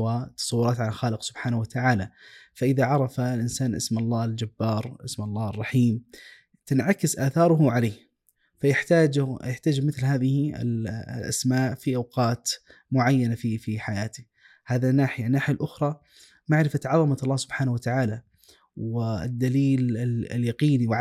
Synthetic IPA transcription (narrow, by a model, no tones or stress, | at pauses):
wat̪ːɑ̥sˤɑwːʊɾˤɑːt̪ʕalalxaːlɪqsʊb̥ħaːnwat̪aʕaːlafaʔɪðaʕɑɾˤɑfalʔɪnsaːnʔɪ̰smʔɑlˤːɑːɪld͡ʒabːɑːɾˤʔɪsmɑlˤːɑːɑrˤːɑħiːm | t̪ɪnʕakɪsʔaːθɑːɾˤʊɦʊʕaleːh | fajɪħt̪aːd͡ʒjɪħt̪aːd͡ʒmɪθlɦaːðɪhɪ̰llʔa̰smaːʔfiʔawqɑːt̪ | mʊʕajːanafifiħajaːt̪i̥ | haːðanːaːħɪjanːaːħɪjalʔʊxɾˤɑ | maʕɾɪfat̪ʕɑðˤɑmaɑlˤːɑːhsʊbħaːnawat̪aʕaːla | wɪɪ̰d̪ːaliːlɪ̰ljɑqiːniw